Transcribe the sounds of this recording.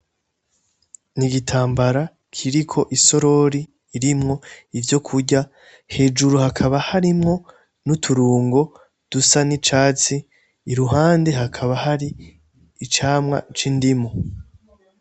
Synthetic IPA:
niɡitʰaːmbaɾa | kʰiɾikʰo̞ʔiso̞ɾo̞ɾiː | ɾimŋo̞ivjo̞kʰuɟa | he̞ːd͡ʒuɾuhakʰaβahaɾimŋo̞ | nutʰuɾuːŋɡo̞ | d̥usanit͡ʃaːt͡siː | ɾuɦaːnde̞ɦakʰaβahaɾiː | t͡ʃaːmŋa̰t͡ʃindimo

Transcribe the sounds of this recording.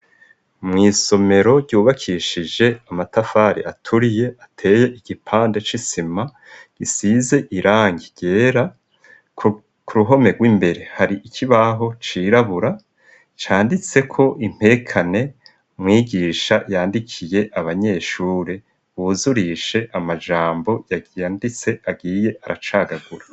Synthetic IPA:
mŋiːso̞me̞ɾo̞ɟɟuːβakʰiːʃid͡ʒe̞amatafaːɾḭʔatʰuɾije̞atʰe̞ːje̞ʔiɡ̥ipʰaːnde̞t͡ʃisima | ɡ̥isiːze̞ʔiɾaːŋɡiɡɟ̥e̞ːɾa | kʰuɾuɦo̞me̞ɡwiːmbe̞ɾe̞haɾiʔikʰiβaɦo̞t͡ʃiɾaβuɾa | t͡ʃaːndit͡se̞kʰo̞ʔim̥he̞kʰane̞ | mŋiːɡiːʃajaːndikʰije̞ʔaβaɲe̞ːʃuːɾe | uzuɾiːʃe̞ʔamad͡ʒaːmbo̞jaɡjaːndit͡se̞ʔaɡiːje̞ʔaɾat͡ʃaːɡaɡuɾa

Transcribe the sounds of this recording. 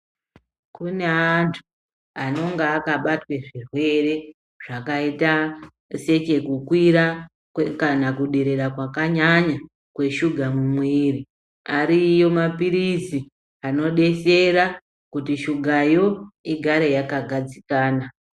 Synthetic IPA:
kune̞antʰu̥ | ano̞ŋɡaːkaɓatwe̞ʐirwe̞ɾe̞ | ʐ̥akaita | se̞t͡ʃe̞kukwiɾa | kanakuɗe̞ɾe̞ɾakwakaɲaɲa | kwe̞ʃuɡʱamumwiːɾi | aɾijo̞mapiɾizi | ano̞ɗe̞se̞ɾa | kutiʃuɡʱajo̞iɡʱaɾe̞jakaɡʱad͡zikaːna

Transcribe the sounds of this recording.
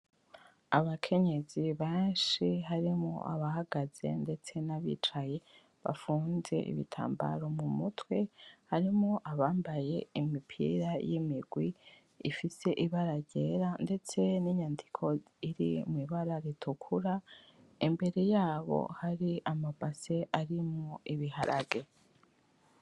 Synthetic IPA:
aβakʰe̞ɲe̞ziβeːnʃiɦaɾimo̰ʔa̰βahaɡaz̥e̞̰nde̞t͡se̞naβḭt͡ʃaje̞ | βa̰fuːnze̞̰ʔḭβḭtʰa̰ːmba̰ɾo̞mumutwe̞haɾimoʔaβaːmbaje̞imipʰḭɾajimiɡwi | ḭfise̞ʔiβaɾaɟe̞ɾande̞t͡se̞niɲandikʰo̞ | iɾḭmwiβaɾaɾitʰukʰuɾa | imbe̞ɾe̞jaːβo̞̰haɾiʔamabase̞ʔaɾimŋoiβiha̰ɾʔa̰ɡe̞

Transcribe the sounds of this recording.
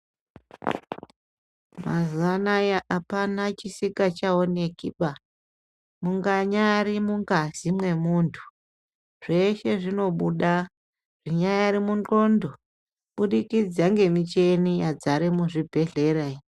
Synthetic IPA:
mazuanajaʔapanat͡ʃisikat͡ʃaonekiɓa | muŋɡaɲaɾimuŋɡazimwe̞muːntʰu̥ | ʐ̥e̞ʃe̞ʐino̞ɓuɗa | ʐ̥iɲajaːɾimundo̞ndo̞ | ɓuɗikid͡zaŋɡe̞mit͡ʃe̞nijad͡zaɾemuʐibʱe̞ɮe̞ɾai

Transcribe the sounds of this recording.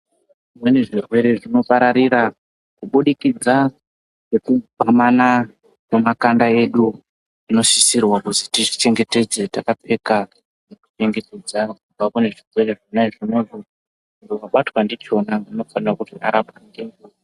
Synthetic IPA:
ʐimwe̞neʐirwe̞ɾe̞ʐino̞paɾaɾira | kuɓuɗikid͡za | ʐekubʱamana | kemakandae̞ɗu | ino̞ʃisirwakutitiʐit͡ʃe̞ŋɡe̞te̞d͡zetakape̞ka | neku̥t͡ʃe̞ŋɡe̞te̞d͡zakubakune̞ʐirwe̞re̞ʐonaʐinoʐo | dowaɓatwandit͡ʃo̞naŋɡino̞fanirakuʐiʔa̰ɾapandeŋɡu

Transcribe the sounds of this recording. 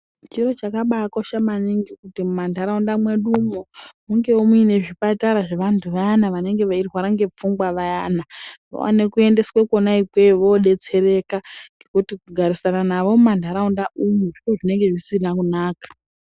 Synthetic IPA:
t͡ʃiro̞t͡ʃakaɓakoʃamaniŋɡikutimumandʱaɾaundamwe̞ɗumomuŋɡe̞umuine̞ʐipataɾaʐeʋantʰuʋajanaʋane̞ŋɡe̞ʋairiwaɾaŋɡe̞p͡fuŋɡwaʋajanaʋo̰wa̰ne̞kue̞nde̞skwekonaikwe̞ʋo̞ɗe̞t͡se̞ɾe̞kaŋɡekutikuɡʱaɾisananaʋo̞mumandʱaɾaundaumuʐit͡ʃoʐine̞ŋɡe̞ʐisinakunaːkḁ

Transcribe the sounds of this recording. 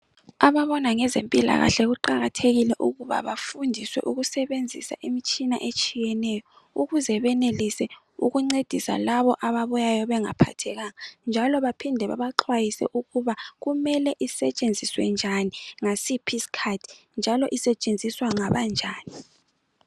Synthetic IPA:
aβaβɔnaŋɛzempʼila̰ɣa̰ɬɛɣuǃaɣatʰeɣilɛʔuɣuβa̰βafundʱiswɛ̰ʔuɣusɛβend͡zʱisa̰ʔimit͡ʃʼinaʔet͡ʃʼijɛnɛjɔ | uɣuzɛβɛnelisɛ | uɣuŋ͡ǀed̥ʱisa̰laβɔʔaβaβujajɔβɛŋa̰pʰa̰tʰɛɣaŋand͡ʒʱalɔβapʰindʱɛβa̰βaǁʰwajisɛ̰ʔuɣuβaɣumɛlɛʔisɛt͡ʃʼend͡zʱiswɛ̰nd͡ʒʱaniŋasipʰiskʰadʰʱind͡ʒʱalɔʔisɛt͡ʃʼend͡zʱiswaŋaβand͡ʒʱaːni

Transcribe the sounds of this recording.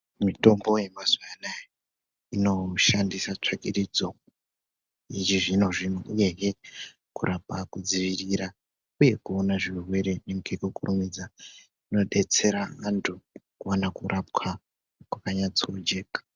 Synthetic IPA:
mito̞mbo̞je̞mazuwana | ino̞ʃandisat͡ʂakiɾid͡zo̞ | it͡ʃiʐino̞ʐinouje̞ɦe | kuɾʔapakud͡ziʋiriɾa | uje̞kuonaʐirwe̞ɾe̞neŋkekukurumid͡za | ino̞ɗe̞t͡se̞ɾaantʰukuwanakurʔap̚kʰa | kwakaɲat͡sood͡ʒe̞ːkḁ

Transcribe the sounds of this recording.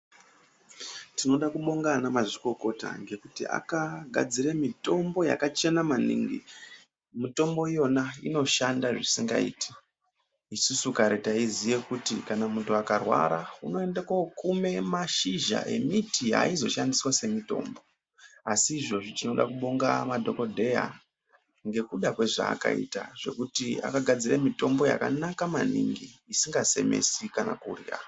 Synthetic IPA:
tino̞ɗakuɓo̞ŋɡanamaʐiko̞ko̞ta̰ŋɡe̞kutia̰kaɡʱa̰d͡ziɾemito̞mbo̞ja̰kat͡ʃe̞namanḭːŋɡḭ | mito̞mbo̞ijo̞naino̞ʃandaʐisiŋɡa̰ḭːtʰi̥ | isusukaɾetaizijekutḭkanamuntuakarwa̰ɾauno̞e̞ndekakume̞maʃiʒa̰ʔe̞mitiɦa̰izo̞ʃandiswase̞mito̞̰ːmbo̞ | asiːʐo̞ʐit͡ʃino̞ɗa̰kuɓoŋɡamadʱo̞ko̞dʱe̞ja̰ | ŋɡe̞kuɗakwe̞ʐa̰ːka̰ḭta̰ʐe̞̰kutia̰kaɡʱad͡ziremito̞mbo̞ja̰ka̰nakamanḭŋɡiːsiŋɡase̞̰me̞̰sikana̰kurira̰

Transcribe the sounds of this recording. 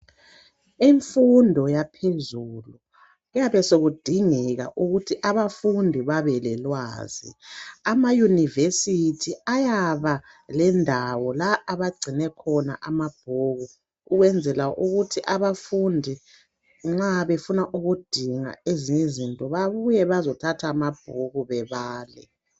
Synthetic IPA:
iɱfundʱɔjapʰezuːlu | ujaβɛsoɣud̥ʱiŋɛɣa̰ʔuɣutʰiʔaβafundʱiβaβɛlɛlwa̰ːz̥ḭamajunivesitʰiajaβa | lɛndʱawɔlaːβaɡ͡ǀʱinɛkʰɔna̰ʔamab̥ʱoɣu | uɣwɛnd͡zʱɛlaʔuɣutʰiʔaβafundʱi | ŋ͡ǁaβefunaʔuɣud̥ʱiŋa̰eziɲezintʼɔβaβujɛβazɔtʰatʰaːmab̥̚ʱoɣuβɛβaːlɛ̰

